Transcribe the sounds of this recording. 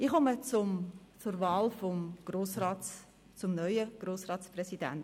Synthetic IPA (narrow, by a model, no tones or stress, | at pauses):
ɪχɔmət͡sʊm | t͡sʊrvɑːlfɔmɡ̥roːsɾɑː | t͡sʊmnœʏəɡ̥roːsrɑːtt͡sprɛsidæ̰nt